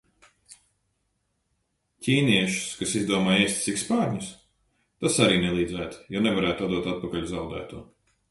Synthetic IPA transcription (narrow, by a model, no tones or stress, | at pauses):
cʲiːniɛʃu̥skasizd̪uɔmaːjɛjst̪ʲt̪sikspaːɾɲʲus | t̪asaɾiːnɛlˠiːd̪zæːt̪jɔnɛvaɾæːt̪uad̪uɔt̪at̪̚pakalʲuzawd̪æ̰ːt̪uɔ